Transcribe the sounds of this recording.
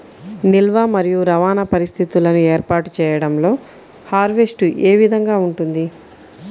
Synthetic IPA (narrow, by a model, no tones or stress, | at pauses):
nilʋaːmɐɾijuɾɐʋaːnɐpɐɾist̪ʰit̪ulɐnueːɾpaːʈu̥t͡ʃɛːjɐɽɐmlo̞ː | haːɾʋe̞sʈuʔeːʋid̪ʱɐŋɡaːuɳʈund̪i